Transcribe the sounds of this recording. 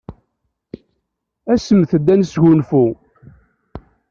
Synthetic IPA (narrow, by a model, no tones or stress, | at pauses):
æsəmθəd̪ːænəsʝʊnfu